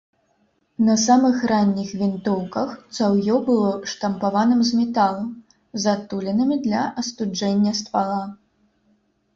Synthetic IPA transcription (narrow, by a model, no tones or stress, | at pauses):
nɐsamɨxranʲːixvʲint̪ɔwkɐxt̪sawjɔbɨlˠɔʂt̪ɐmpavanɨmzmʲɛt̪alˠɐm | zat̪ulʲɛnɐmʲid̪lʲɐʔɐst̪ud͡ʐɛnʲːɐst̪valˠa